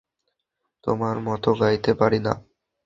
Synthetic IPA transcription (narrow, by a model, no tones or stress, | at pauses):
t̪omaɾmɔt̪oɡajt̪epaɾina̰